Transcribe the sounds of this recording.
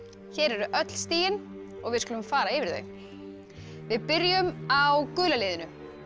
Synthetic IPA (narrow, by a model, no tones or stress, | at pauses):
çɛːɾɛɾʏʔœt̪l̥st̪iːjɪn | ɔɣvɪðskʏlʏmfaːɾaɪːvɪɾθœ̰ɥ | vɪðpɪɾjʏmawkʏːlalɪːðɪnʏ